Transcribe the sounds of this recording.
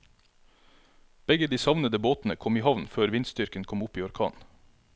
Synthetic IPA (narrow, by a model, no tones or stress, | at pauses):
b̥ɛɡəd̪iːsɑʋnəd̪əboːt̪n̩əkʰɔmiːhɑʋnføːɾʋɪnsd̪ʏɾkənkʰɔmʊpiːɔɾkʰɑ̰ːn